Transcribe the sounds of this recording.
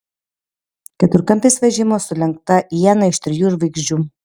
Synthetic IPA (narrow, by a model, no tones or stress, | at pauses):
kʲɛt̪ʊɾkɐnʲt̪ɐɪsʋʲɛʒʲɪmoːsʊlʲɛŋk̚t̪ɐiɛnɐɪʃt̪ʲɾʲɪjuːɪɾʋɐɪɡʒʲd͡ʒʲuː